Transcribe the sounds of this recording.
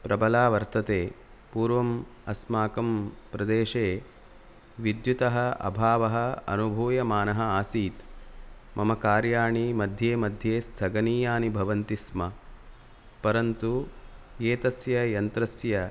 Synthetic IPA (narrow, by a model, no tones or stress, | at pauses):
pɾɐbɐlaːʋɐɾt̪ɐt̪eː | puːɾʋɐmɐsmaːkɐmpɾɐd̪eːʃeː | ʋid̪jut̪ɐɦɐɐ̰bʱaːʋɐɦɐ̆ɐ̰nubʱuːjɐmaːnɐɦɐaːsiːt̪ | mɐmɐkaːɾjaːɳimɐd̪ʱjeːmɐd̪ʱjeːst̪ʰɐɡɐniːjaːnibʱɐʋɐnt̪ismɐ | pɐɾɐnt̪ujeːt̪ɐsjɐjɐnt̪ɾɐsjɐ